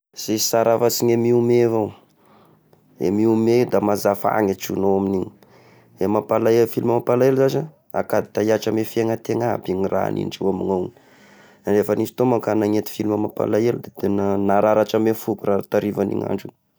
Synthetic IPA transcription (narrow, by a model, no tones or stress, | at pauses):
z̥eisaɾavasiɲemiumevaw | ḛmiumed̪amazafa̰ŋaʈ͡ʂunoaminiɲi̥ | emapalaelfiliməmapalaeluzaza | akad̪i̥t̪ajaʈ͡ʂamefeŋat̪eŋabiŋira̰nḭnɖ͡ʐiwamiŋan | nefənisi̥t̪omakanaŋet̪i̥filməmapa̰laelud̪at̪enənaɾaɾaʈ͡ʂamefukuraat̪aɾivanḭŋa̰ɳɖ͡ʐu